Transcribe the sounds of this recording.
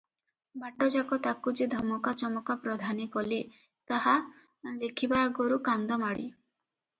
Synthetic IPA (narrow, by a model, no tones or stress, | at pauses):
baʈɔd͡ʒakɔt̪akud͡ʒid̪ʱɔmɔkat͡ʃɔmɔkapɾɔd̪ʱanikɔli | t̪aɦa | lekʰibaɡoɾukand̪ɔmaɽi